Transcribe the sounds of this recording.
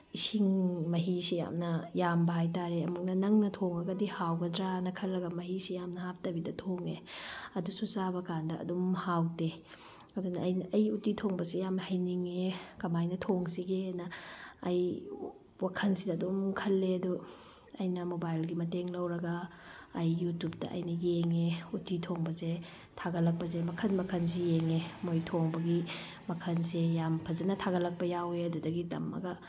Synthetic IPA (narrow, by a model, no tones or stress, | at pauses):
isiŋmɐɦisija̰mnɐjambɐɦajtaɾeɐmuk̚nɐnɐŋnɐtʰoŋɐɡɐdihawbɐdɾanɐkʰɐlːɐɡɐmɐɦisijamnɐhap̚tɐbidɐtʰoŋeɐdususabɐkandɐʔɐ̰dumhawde | ɐdunɐɐjnɐɐjutitʰoŋbɐsijamnɐhɐjniŋekɐmajnɐtʰoŋsiɡenɐːj | wakʰɐnsidɐːdomkʰɐlːeɐdu | ɐjnɐmobajlɡimɐteŋlɐwɾɐɡɐːjːutup̚dɐ̰ʔɐ̰jnɐjeŋeutitʰoŋbɐze | tʰaɡɐlɐk̚pɐzemɐkʰɐnmɐkʰɐns̬ejeŋemojtʰoŋbɐɡi | mɐkʰɐnsejampʰɐzɐnɐtʰaɡɐlɐk̚pɐjaweɐdudɐɡitɐ̰mːɐ̰ɡɐ